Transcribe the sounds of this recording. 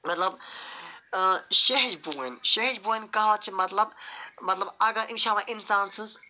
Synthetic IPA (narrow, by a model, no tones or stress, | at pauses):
mɐt̪lɐb | ʃeɦd͡ʒbuenʃeɦd͡ʒbuenʲkɐɦʋɐt̪̚t͡ʃʰimɐt̪lɐbmɐt̪lɐbɐɡɐɾʔinʃaːmaʔinsaːnsɨz